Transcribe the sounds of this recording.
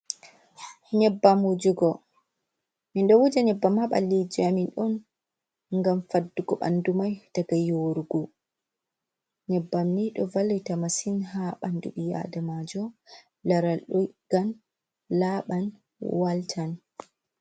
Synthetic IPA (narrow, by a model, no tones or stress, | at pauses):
hɲɛbːamud͡ʒuɡɔ | minɗɔwud͡ʒaɲɛbːamhaɓa̰lːid͡ʒiaminɗɔn | ŋɡamfadːuɡɔɓa̰ndumajd̥aɡajoɾuɡu | ɲɛbːamːiɗɔvalitamasinɦaɓanduɓija̰damad͡ʒɔ | laɾaɗɔɡ̥an | laɓan | waltʰan